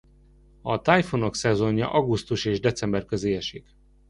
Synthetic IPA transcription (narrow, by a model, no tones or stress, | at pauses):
ɒt̪ajfono̞ksɛzo̞ɲjɒ̰ʔɒɡust̪uʃeːʒd̪ɛt̪sɛmbɛrkøzeːɛʃik